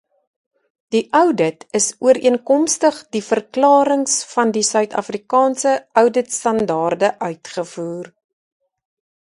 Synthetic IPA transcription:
d̥iʔœwdətəsuəɾiənkɔmstəχdifərklɑːɾəŋsfɐndisœɥtɐ̰frikɑːnsəʔœwdətstɐndɑːrdəʔœɥtχəfuːr

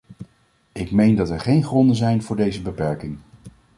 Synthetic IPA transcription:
ɪkmejndɑtɛɹχejnχrɔndəzɛjnvʊːɹdejzəbəpɛɹkɪŋ

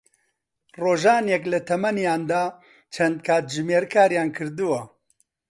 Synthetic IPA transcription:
roːʒaːnjɛklɐt̪ʰɐmɐnjaːnd̪aː | t͡ʃʰɐnd̪̚kʰaːt̪̚ʒɨmeːɾkʰaːɾjaːnkʰɨɾd̪ɨwɐ

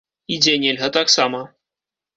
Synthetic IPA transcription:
id͡zʲenʲelʲɣɐt̪aksamɐ

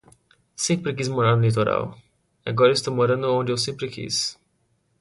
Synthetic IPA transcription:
sẽkpɾekizmoɾaɾnʊlit̪oɾa̰w | aɡɔɾɐest̪omoɾɐ̃nd̪ʊõnd͡ʒɪewsẽmpɾɪkḭz

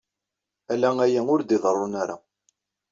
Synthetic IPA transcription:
ælææjæʊɾd̪iðˤərˤːʊnaɾa̰

